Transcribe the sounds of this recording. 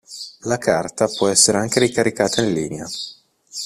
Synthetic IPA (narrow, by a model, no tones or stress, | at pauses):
lakʰart̪apwɔɛsːeɾeaŋk̟eɾikaɾikaːt̪ainliːnea̰